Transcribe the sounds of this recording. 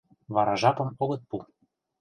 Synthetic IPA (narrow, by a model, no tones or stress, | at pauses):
vɑɾɑʒɑpɤ̆moɣɤ̆t̪̚pu